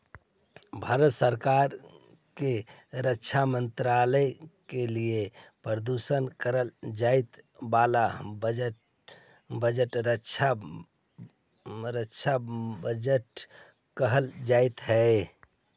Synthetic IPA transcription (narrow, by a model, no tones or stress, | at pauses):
bʱaːɾət̪səɾkaɾ | keɾətːʃʰamənt̪ɾaləkeliepɾəd̪usənkəɾəld͡ʒait̪balabəd͡ʒə | bəd͡ʒəʈɾət͡ʃʰa | ɾəʃʰabəd͡ʒəʈ | kəɦəld͡ʒait̪ɦɛ